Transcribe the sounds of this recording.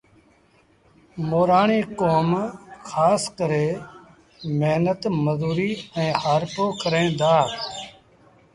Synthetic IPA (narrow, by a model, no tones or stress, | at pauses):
moːɾaːɳeːkoːmxʰaːskəɾeː | meɦnət̪məzuːɾiːɛ̃ːhaːɾpoːkəɾẽːd̪aː